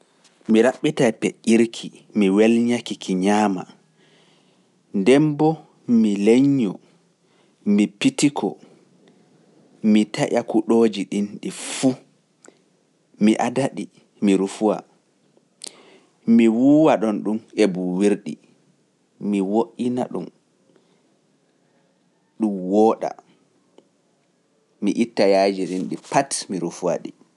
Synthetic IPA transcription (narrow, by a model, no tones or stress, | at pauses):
miɾaɓːitajpeʔiɾkʰi | miwɛlɲakikʰiɲaːma̰ | ndɛmbɔ | mileɲːɔ | mipitikʰɔ | mitaʔakuɗoːd͡ʒiɗinɗifu | miʔadaɗi | miɾufuwa̰ | miwuwaɗɔnɗumebuwiɾɗḭ | miwoʔinaɗum | ɗumwɔɗa̰ | miʔitːajaːd͡ʒiɗinɗipatmiɾufuwa̰ɗi